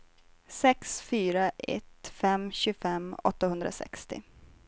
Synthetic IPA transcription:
sɛksfyːɾaʔɛ̰t̪fɛmːɕʉfɛmːɔ̰t̪ːahɵnd̪ɾa̰sɛ̰kst̪ɪ̰

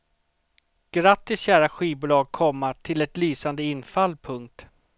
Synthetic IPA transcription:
ɡ̥ɾat̪ːɪsɕæːɾaɧiːbʊːlɑːɡ̚kʰɔmːaʈʰɪlɛt̪lyːsand̪əɪnːfalːpʰɵŋk̚t̪

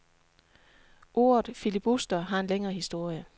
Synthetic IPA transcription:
ʔo̝̰ːɐð̩ˠfilib̥usd̥ɐɦɑ̈e̝nleŋɐːhisd̥o̝ɐ̰jə

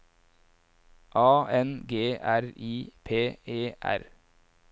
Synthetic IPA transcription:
ʔɑːɛnɡeːæɾiːpʰeːeːʔæ̰ɾ

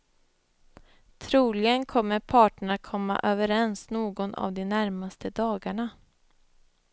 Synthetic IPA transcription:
t̪ʰɾuːlɪɡənkʰɔmːəɾpʰɑːʈəɳakʰɔmːa̰ʔøːvəɾɛnsnoːɡɔna̰vd̪ɛnæɾmast̪əd̪ɑːɡaɳa

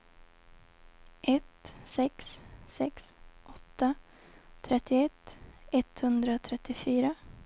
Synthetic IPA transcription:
ʔɛt̪sɛkssɛksʔɔt̪ːa | t̪ʰɾɛt̪ːɪɛt̪ːɛt̪hɵnd̪ɾat̪ʰɾɛt̪ːɪfyːɾa

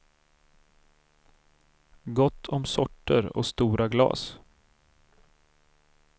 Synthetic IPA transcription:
ɡɔt̪ʰːɔmsɔʈːəɾɔ̰st̪uːɾaɡlɑ̰ːs

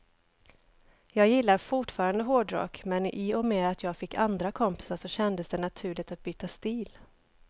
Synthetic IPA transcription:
jɑːɡjɪlːaɾfʊʈfɑːɾand̪əɦoːɖɾɑ̰ːkmɛnʔɪɔmeːd̪at̪ʰjɑːɡfɪkːand̪ɾakʰɔmpɪ̥saʂɔɕɛnd̪əsd̪ɛnat̪ʰʉ̟ːɭɪɡt̪at̪̚byːt̪ast̪iːl

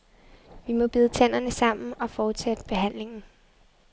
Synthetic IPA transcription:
ʋimɒ̽b̥iːð̞ˠət͡sʰæn̰ɐnəsɑ̈m̰n̩ɒ̽fɒːd̥sed̥əb̥e̝ɦæn̰le̝ŋn̩

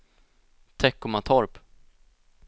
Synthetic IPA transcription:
t̪ʰɛkːʊmat̪ʰɔɾp

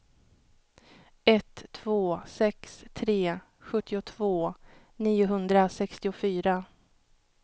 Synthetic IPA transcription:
ɛt̪ʰːvoːsɛkst̪ʰɾeː | ɧɵt̪ʰːɪʊt̪ʰvoː | niːʊɦɵnd̪ɾasɛkst̪ɪʊfyːɾa

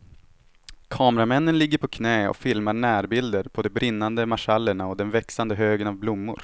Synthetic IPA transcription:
kʰɑːmɾamɛnːənlɪɡːəɾpʰɔkʰnɛːɔ̰fɪlmaɳæːɾbɪld̪əɾpʰɔd̪ɔbɾɪnːand̪əmaʂalːəɳaɔd̪ɛnvɛksand̪əɦøːɡənavblʊmːʊ̰ɾ

